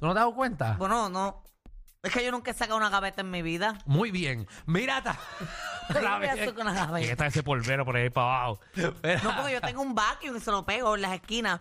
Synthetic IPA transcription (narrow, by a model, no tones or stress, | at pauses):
t̪unot̪eaukwe̞nt̪abwenono | ehkeʝo̞nũŋkesakaunaɣaβe̞t̪aemːiβiðamujβjeŋmiɾat̪a | aβejaokunaɣaβeket̪aesepolβeɾopoɾehepoaβaho | peɾnopoɾkeʝot̪eŋɡoumbakjuŋiselopeɣoelase̞skina